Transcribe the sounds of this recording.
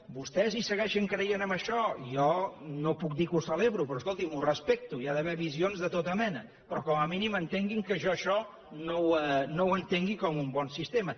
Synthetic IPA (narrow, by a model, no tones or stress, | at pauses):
bust̪ɛzisəɣɛʃəŋkɾəjenəməʃɔjɔnopuk̚d̪ikusəleβɾupɾɔskolˠt̪imurəspek̚t̪uiaðəβɛβizionzðət̪ot̪əmɛnə | pɾɔkɔməminimənt̪eŋɡiŋkəʒɔəʃɔ | nowənowənt̪eŋɡikɔmumbɔnsist̪emə